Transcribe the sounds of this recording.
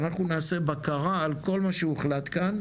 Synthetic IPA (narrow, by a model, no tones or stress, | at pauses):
naχnunaːse̞bakaʁaːlko̞lmaʃeueχlat̪kan